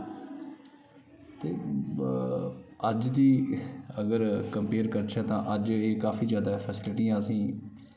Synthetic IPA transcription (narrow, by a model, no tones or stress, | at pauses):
t̪eː | əd͡ʒd̪iːəɡəɾkəmpeːɾkəɾt͡ʃʰaːt̪ãːʔəd͡ʒeːkaːfiːd͡ʒjaːd̪aːɛpʰɛsɪlʈiːãːəsĩː